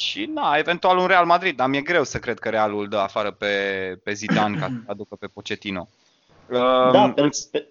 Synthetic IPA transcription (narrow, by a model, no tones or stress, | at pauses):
ʃinae̞ve̞nt̪ualunɾe̞almad̪ɾid̪̚d̪amjeɡɾe̞wsəkɾed̪̚kəɾealuld̪əafaɾəpe̞pe̞zid̪ankasəad̪ukəpe̞pot͡ʃe̞t̪ino̞̰ | ə